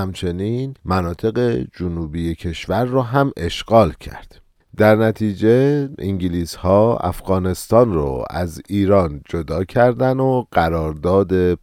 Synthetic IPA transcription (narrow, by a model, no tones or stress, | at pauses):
æmt͡ʃʰe̞niːnmænɒːt̪ʰe̞ɣe̞d͡ʒonuːbiːjecʰe̞ʃvæɾːɒːɦæmʔe̞ʃɡ̥ɒːlcʰæ̰ɾd̪̥ | d̪æɾnæt̪ʰiːd͡ʒeiŋɟiliːshɒːæ̰fɣɒːne̞st̪ɒːnrɔ̰ːæ̰ziːɾɒːnd͡ʒod̪ɒːcʰæɾd̪ænoɢ̥æɾɒːɾd̪ɒːd̪e̞